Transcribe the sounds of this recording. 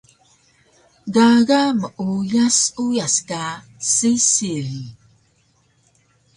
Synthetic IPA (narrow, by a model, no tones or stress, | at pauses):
ɡaɣaməʔujasujaska | sisiɾi